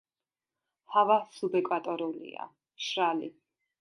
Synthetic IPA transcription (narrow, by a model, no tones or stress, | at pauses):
havasubɛkʼwat̪ʼɔɾulḭa̰ | ʃɾalḭ